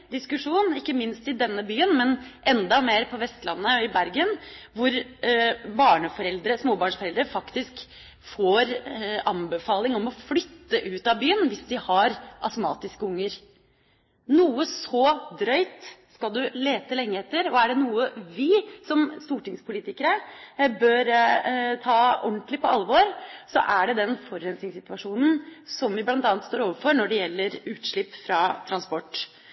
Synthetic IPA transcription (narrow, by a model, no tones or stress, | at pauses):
d̪ɪskʉʂuːnɪkːəmɪnst̪ɪd̪ɛnːəbyːənmɛnʔɛnd̪ɑmeːɾpʰɔʋɛst̪lɑ̰nːəɪbæɾɡənʋʊɾ | bɑːɳəfɔɾɛld̪ɾəsmoːbɑːɳfɔɾɛld̪ɾəfɑkt̪ɪsk | foːɾɑmbəfɑːlɪŋɔmɔflʏt̪ːəʔʉːt̪ɑʋbyːənʋɪsd̪ɪhɑɾʔɑsʊmɑ̰ːt̪ɪskəʊŋːəɾ | nuːəsɔd̪ɾœʏt̪skɑld̪ʉleːt̪əlɛŋːəɛt̪ːəɾɔæɖɛnuːəʋɪsɔmst̪uːʈɪŋspʰʊliːt̪ɪkəɾəbøːɾt̪ʰɑːɔɳʈ̪lɪpɔɑlːʋɔɾsɔ̰ʔæɖɛd̪ɛnfɔɾːɛnsnɪŋsɪt̪ʋɑʂuːnn̩sɔmʋɪblɑnt̪ɑːnt̪st̪oːɾoːʋəɾfɔɾnɔɖɛjɛlːəɾʉːt̪ʂɭɪpːfɾɑt̪ʰɾɑnspɔʈː